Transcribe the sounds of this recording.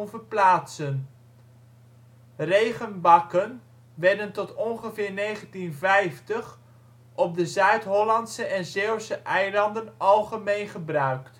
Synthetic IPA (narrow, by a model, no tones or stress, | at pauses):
nvəɹplaːtsən | rejχənbɑkən | ʋɛɹdəntɔtɔnχəvɪːɹnejχəntinvɛjftəχ | ʔɔb̚dəzœɥtɦɔlɑntsəʔɛnzeəsəʔɛjlɑndənɑlˠχəmejnχəbrœɥkt